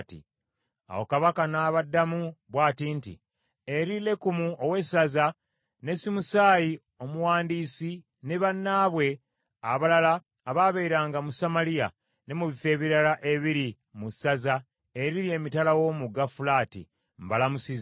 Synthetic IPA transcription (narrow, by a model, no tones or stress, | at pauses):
tḭ | a̰wo̰kaβakanaːβadːamuβwaːtintḭ | eɾile̞kumuʔowe̞saza | ne̞simusaːji | o̞muwaːndiːsi | neβanːaːβwe̞ | aβalalaː | βaβeiɾaːŋɡamusamalija̰ | ne̞muβife̞ːβiɾalaʔe̞βiɾi | musaza | e̞ɾiɾie̞ːmitalawo̞muɡafulaːtḭ | mbalamusiz